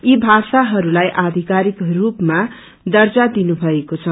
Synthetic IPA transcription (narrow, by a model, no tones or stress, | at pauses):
ibʱasaɦʌɾulajʔad̪ʱikaɾikrupma | d̪ʌrt͡sad̪inubʱʌekot͡sʰʌ